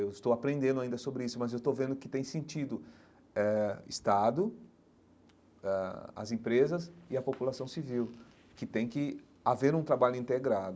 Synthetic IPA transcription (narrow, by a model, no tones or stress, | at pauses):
ewɪst̪owapɾẽnd̪ẽnd̪ʊaĩd̪ɐsobɾɪisʊmɐzewst̪owvẽnd̪ʊkɪt̪ẽj̃sẽnt͡ʃid̪ʊ | ɛɪ̰st̪ad̪ʊ | ɛɐ̰zẽpɾezɐsɪɐpopulasɐ̃w̃siviw | kɪt̪ẽj̃kɪ | aveɾũt̪ɾabaʎʊĩnt̪eɡɾad̪ʊ